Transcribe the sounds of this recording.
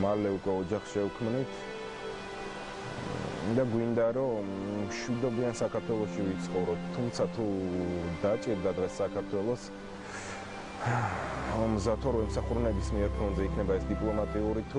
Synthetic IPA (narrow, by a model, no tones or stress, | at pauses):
malɛukʼwɛɔd͡ʒaχʃɛukʰmnit̪ʰ | d̪aɡwind̪aɾɔmʃwid̪ɔbiansakʰaɾt̪ʰwɛlˠɔʃivit̪sʰχɔvɾɔt̪ʰːumt̪sʰat̪ʰud̪at͡ʃʼiɾd̪ad̪ʁɛsːakʰaɾt̪ʰwɛlˠɔs | mzat̪ʰɔɾɔɛmsaχuɾunɛbismiɛɾpʰɔnzɛikʰnɛbaɛsd̪ipʼlˠɔmat̪ʼiuɾit̪ʰu